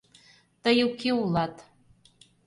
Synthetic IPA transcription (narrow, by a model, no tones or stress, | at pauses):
t̪əjukeulˠɑt̪